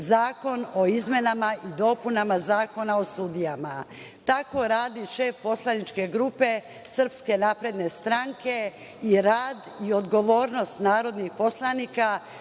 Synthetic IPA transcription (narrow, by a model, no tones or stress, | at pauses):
zaːko̞no̞izme̞namaʔid̪o̞punamazaːko̞nao̞sud̪ijama | t̪ako̞ɾaːd̪iʃe̞ːfpo̞slˠanit͡ʃke̞ɡɾupe̞ | sr̩pske̞napɾe̞d̪ne̞st̪ɾaŋke̞ | iɾaːd̪io̞d̪ɡo̞ʋo̞ːɾno̞st̪naːɾo̞d̪nixpo̞slˠanika